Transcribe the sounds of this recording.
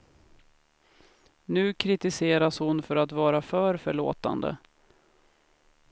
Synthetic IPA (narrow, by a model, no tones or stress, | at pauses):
nʉ̟ːkʰɾɪt̪ɪseːɾashʊnfœɾat̪vɑːɾafœːɾfœɭo̰ːt̪a̰nd̪ə̰